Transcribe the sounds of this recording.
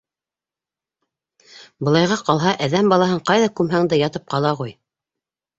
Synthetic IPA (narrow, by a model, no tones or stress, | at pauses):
bɤ̆lˠɑjʁɑqɑlˠɦɑʔæðæmbɑlˠɑɦɤɴqɑjðɑkʉmɦæŋd̪ɘjɑt̪ɤp̚qɑlˠɑʁuj